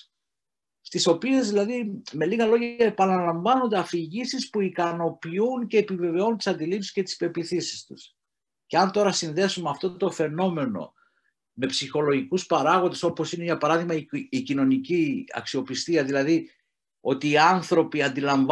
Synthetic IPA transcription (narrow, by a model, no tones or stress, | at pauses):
st̪iso̞pie̞zðilɐðime̞liɣɐlo̞ʝɐe̞pɐnɐlɐɱvɐno̞nd̪eɐfiʝisispuikɐno̞piunce̞ːpive̞ve̞o̞nunt̪i̥sɐnd̪ilipsi̥scet̪i̥spe̞piθisi̥st̪us | ce̞ɐnt̪o̞ɾɐsinðe̞sumeɐft̪o̞t̪o̞fe̞no̞me̞no̞̰ | me̞psixo̞lo̞ʝikuspɐɾɐɣond̪e̞so̞po̞sine̞ʝɐpɐɾɐðiɣmɐiːcino̞niciɐ̰ksio̞pist̪iɐðilɐði | o̞t̪iːɐnθɾo̞piɐnd̪ilɐɱv